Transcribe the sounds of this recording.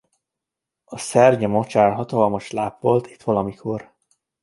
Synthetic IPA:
ɒsɛrɟɛmot͡ʃaːrɦɒt̪ɒlmɒʃlaːpʋo̞lt̪it̪ʋɒlɒmikʰo̞r

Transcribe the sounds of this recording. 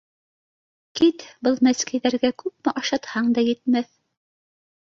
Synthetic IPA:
kit̪bɤlˠmæskæ̆jðæɾɡækʉp̚mæʔɑʃɑt̪hɑɴd̪ɑjɘ̆t̪mæθ

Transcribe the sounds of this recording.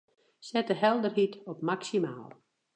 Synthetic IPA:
sɛtəɦɛlˠdərɦitɔpmaksima̰ːlˠ

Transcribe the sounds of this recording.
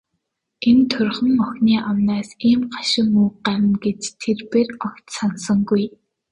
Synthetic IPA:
ent̪ʰʊrχə̆ŋɔxʲniːʔamnaːsiːmɢaʃɪ̆muːɢaɾə̆nɡet͡ɕt̪ʰːerpeːrɔkt̪sansə̆ŋɡuj

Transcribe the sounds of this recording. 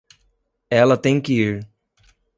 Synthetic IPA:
ɛlɐt̪ẽj̃kɪiɾ

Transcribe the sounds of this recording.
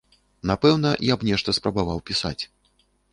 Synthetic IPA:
napɛwnɐjapnʲɛʂt̪ɐspɾɐbavawpʲisa̰t͡sʲ

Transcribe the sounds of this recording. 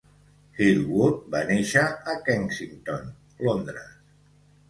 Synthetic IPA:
xilβut̪̚baneʃəʔːkɛŋsiŋt̪on | lond̪ɾə̰s

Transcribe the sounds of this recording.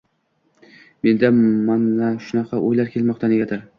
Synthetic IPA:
me̞nd̪amanlaʃʊnɑqʰɑʔojlaɾkʲʰe̞lmɒq̚t̪ʰane̞ɡʲad̪ɪɾ

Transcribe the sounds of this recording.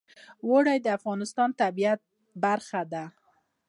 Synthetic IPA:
woɽajd̪əafɣɑnɪst̪ɑnt̪abiat̪̚ | baɾxad̪a

